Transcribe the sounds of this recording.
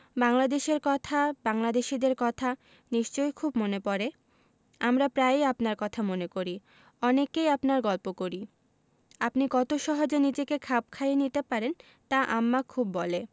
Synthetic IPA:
baŋlad̪eʃeɾkɔt̪ʰabaŋlad̪eʃid̪eɾkɔt̪ʰa | niʃt͡ɕojkʰubmonepɔɾe | amɾapɾaejapnaɾkɔt̪ʰamonekoɾi | ɔnekejapnaɾɡɔlpokoɾi | apnikɔt̪oʃɔɦod͡ʑenid͡ʑekekʰap̚kʰajenit̪epaɾen | t̪aʔamːakʰubːɔle

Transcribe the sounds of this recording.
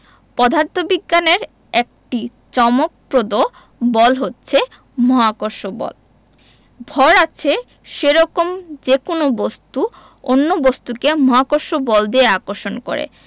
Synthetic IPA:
pɔd̪ʱaɾt̪ʰobiɡːaneɾ | ek̚ʈi | t͡ɕɔmok̚pɾod̪o | bɔlɦotːɕʰe | mɔɦakoɾʃobɔ̰l | bʱɔɾat͡ɕʰe | ʃeɾɔkomd͡ʑekonobost̪u | onːobost̪ukemɔɦakoɾʃobɔld̪eeakoɾʃonko̰ɾḛ

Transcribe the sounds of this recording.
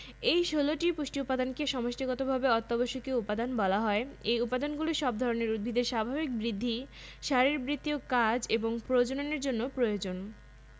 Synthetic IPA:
ejʃoloʈipuʃʈiupːad̪ʱankeʃɔmoʃʈiɡɔt̪obʱabeɔt̪ːaboʃokiupad̪anbɔlaɦɔeejupad̪ʱanɡuliʃɔb̚d̪ʱɔɾoneɾud̪̚bʱid̪eɾʃabʱabik̚bɾid̪ʱːiʃaɾeɾbɾit̪ːiokad͡ʑeboŋpɾod͡ʑononeɾd͡ʑonːopɾojod͡ʑon

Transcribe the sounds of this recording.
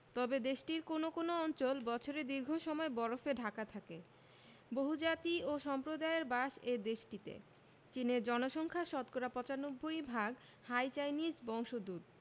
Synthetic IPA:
t̪ɔbed̪eʃʈiɾkonokonoɔnt͡ɕolbɔt͡ɕʰoɾed̪iɾɡʱoʃɔmɔebɔɾofeɖʱakat̪ʰake | boɦud͡ʑat̪ioʃɔmpɾod̪aeeɾbaʃed̪eʃʈit̪ḛ | t͡ɕineɾd͡ʑɔnoʃɔŋkʰaʃɔt̪̚koɾapɔt͡ɕanobʱːoijbʱaɡ | hajt͡ɕajnisbɔŋʃod̪ud̪̚

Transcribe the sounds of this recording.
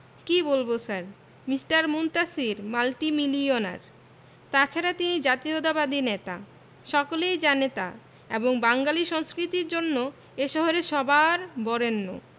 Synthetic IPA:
kibolbosaɾ | misʈaɾmunt̪asiɾmalʈimiliona̰ɾ | t̪at͡ɕʰaɾat̪inid͡ʑat̪iod̪abad̪inet̪a̰ | ʃɔkolejd͡ʑanet̪a̰ | eboŋbaŋɡaliʃɔŋskɾit̪iɾd͡ʑonːo | eʃɔɦoɾeʃɔbʱaɾbɔɾenːo̰

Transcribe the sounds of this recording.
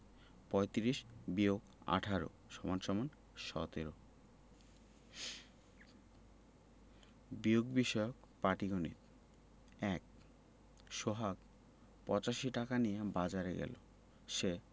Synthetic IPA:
pɔjt̪ɾiʃbioɡ | a̰ʈʰaɾo̰ | ʃɔmanʃɔman | ʃɔ̰t̪eɾo | bioɡbiʃɔjok | paʈiɡonḭt̪ | ɛk̚ | ʃoɦak | pɔt͡ɕaʃiʈakanijebad͡ʑaɾeɡɛ̰lo̰ | ʃe

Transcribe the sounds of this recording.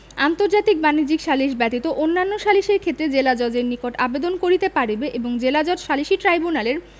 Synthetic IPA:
ant̪oɾd͡ʑat̪ik̚banid͡ʑikʃaliʃ̬bɛt̪it̪oʔonːanːoʃaliʃeɾkʰet̪ːɾed͡ʑelad͡ʑɔd͡ʑeɾnikoʈabed̪onkoɾit̪epaɾibeʔeboŋd͡ʑelad͡ʑɔd͡ʑʃaliʃiʈɾajbunaleɾ

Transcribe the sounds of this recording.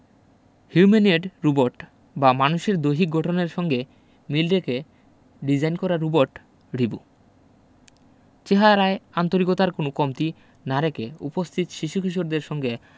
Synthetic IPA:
hjumenieɖɾuboɾʈ | bamanuʃeɾd̪ojɦik̚ɡʱɔʈʰoneɾʃɔŋɡe | milɾeke | ɖid͡ʑajnkɔɾaɾːuboɾʈ | ɖibu | t͡ɕeɦaɾaeant̪oɾikot̪aɾkonokɔmt̪i | naɾekeupost̪ʰit̪ʃiʃukʰiʃ̬oɾd̪eɾʃɔŋɡe

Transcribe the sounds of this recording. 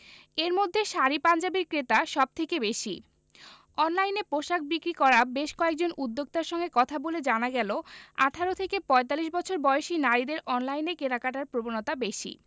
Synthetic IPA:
eɾmod̪ʱːeʃaɾipand͡ʑabiɾkɾet̪aʃɔb̚t̪ʰekebeʃi | ɔnlajnepɾoʃak̚ʰbikɾikɔɾabeʃkɔek̚d͡ʑonud̪ːoɡ̚t̪aɾʃɔŋɡekɔt̪ʰaboled͡ʑanaɡɛloa̰ʈʰaɾot̪ʰekepɔet̪aliʃ̬bɔt͡ɕʰoɾbɔeoʃinaɾid̪eɾʔɔnlajnekeɾakaʈ̬aɾpɾobonot̪abeʃḭ

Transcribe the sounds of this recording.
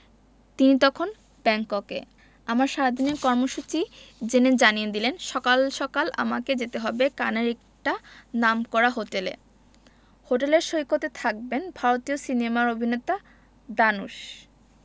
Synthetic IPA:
t̪init̪ɔkʰon | bɛŋkokḛ | amaɾʃaad̪ʱineɾkɔɾmoʃut͡ɕid͡ʑened͡ʑanijed̪ilenʃɔkalʃɔkala̰maked͡ʑet̪eɦɔbekaneɾɛk̚ | ʈanamkɔɾaɦoʈelḛ | hoʈeleɾʃoikot̪et̪ʰak̚benbʱaɾot̪iosinemaɾobʱinet̪a | d̪anuʃ

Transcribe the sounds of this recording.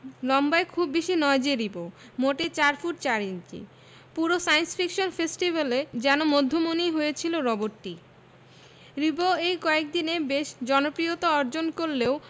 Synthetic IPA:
lɔmbaekʰubːiʃinɔed͡ʑiɾibo | moʈet͡ɕaɾfuʈ̚t͡ɕaɾint͡ɕḭ | puɾosajnsfʰikʃonfesʈibaled͡ʑɛnomod̪ʱːomoniɦojet͡ɕʰiloɾɔboʈʈːi | ɾiboejkɔek̚d̪inebeʃd͡ʑɔnopɾiot̪oɔɾd͡ʑonkoɾleo

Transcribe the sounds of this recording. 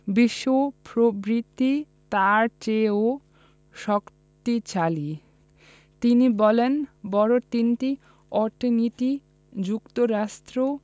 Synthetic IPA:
biʃːopɾobɾit̪ːi | t̪aɾt͡ɕeo | ʃɔk | t̪it͡ɕali | t̪inibɔlenbɔɾot̪inʈi | ɔɾʈʰiniʈi | d͡ʑukt̪oɾaʃt̪ɾo

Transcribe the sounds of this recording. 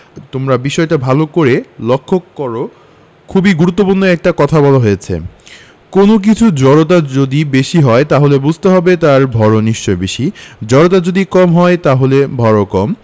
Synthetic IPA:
t̪omɾabiʃɔeʈabʱalokoɾelokʰːokːɔɾo | kʰubiɡuɾut̪ːopuɾnoɛk̚ʈakɔt̪ʰabɔlaɦojet͡ɕʰḛ | konok̬it͡ɕʰud͡ʑɔɾot̪̬ad͡ʑod̪ibeʃiɦɔet̪aɦolebud͡ʑʱt̪eɦɔbet̪aɾbʱɔɾoniʃt͡ɕɔebeʃid͡ʑɔɾot̪ad͡ʑod̪ikɔmɦɔet̪aɦolebʱɔɾokɔm

